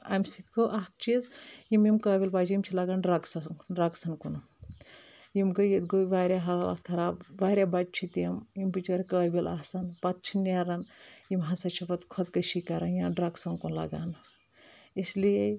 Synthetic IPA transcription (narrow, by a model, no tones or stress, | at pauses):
a̰msit̪kʰoʔak̚t͡ʃʰizjimimkəːbʲilpaːt͡ʃʰjimt͡ʃʰilaɡanɖɾaɡsɐɖɾaɡsɐnkun | jimɡɐjit̪ɡoʋaːɾʲjaɦɐlala̰t̪kʰɐɾaːbʋaːɾʲjabad͡ʒ̚t͡ʃʰit̪emjimpit͡ʃɐɾikəːbila̰ːsɐnpɐt̪̚t͡ʃʰineɾɐnjimɦɐsɐt͡ʃʰipɐt̪kʰot̪kɐʃikɐɾɐnjãɖɾaɡsɐnkunlɐ̰ɡa̰n | islie